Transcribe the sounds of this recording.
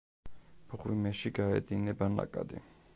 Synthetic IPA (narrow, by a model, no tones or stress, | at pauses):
b̥ʁwimɛʃiɡaɛ̰d̪inɛbana̰kʼa̰d̪ḭ